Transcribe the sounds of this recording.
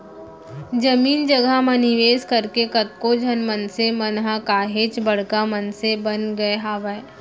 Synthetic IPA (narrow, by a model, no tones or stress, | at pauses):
d͡ʒɐmiːnd͡ʒɐɡamɐnɪʋeːskɐɾkekɐt̪̚kod͡ʒʱɐnmənsemɐnɦakaːɦeːt͡ʃbɐɽ̤kamənsebɐnɡɐeɦaːʋəe